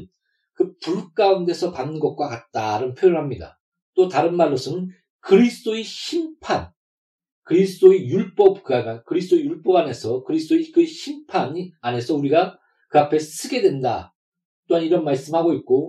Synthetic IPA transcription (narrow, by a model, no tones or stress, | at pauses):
kɯpuɭk͈aunde̞sʰʌpanɯnɡʌk̚k͈wakat̚t͈aɾɯnpʰjojɯɭɦamɲida̰ | t͈otaɾɯnmaɭːosʰɯn | kɯɾisʰɯ̥d͈oiɕʰimpʰan | kɯɾisʰɯdoijuɭp͈ʌp̚kɯaɡakɯɾisʰdʰoejuɭp͈ʌbane̞sʰʌkɯɾisʰdoekɯeɕʰimpʰaɲiane̞sʰʌuɾiɡa | kɯapʰe̞sʰɯɡe̞dwe̞nda̰ | t͈oɦaniɾʌnmaɭs͈ɯmhaɡoit̚k͈o